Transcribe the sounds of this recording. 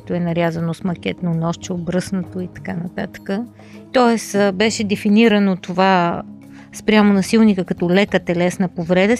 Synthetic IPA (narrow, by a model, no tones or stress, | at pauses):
ɛt̪oɛnɐɾʲjazɐnosmɐk̟ʲɛt̪nonɔʃt͡ʃɛobɾɤsnət̪oit̪ɐ̥kanɐt̪at̪ə̥kə | t̪ɔɛsbɛʃɛd̪ɛfiniɾənot̪ova | spɾʲjamonɐsilˠnikəkɐt̪ɔlɛkət̪ɛlɛsnəpovɾɛd̪ə